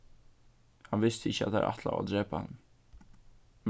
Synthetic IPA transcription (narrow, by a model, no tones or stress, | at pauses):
hɑnvɪst̪əɪçːəa̰t̪̚æ̰ɾʔɑ̰t̪ʰla̰va̰d̪ɾeːpʰohɛ̰nː | m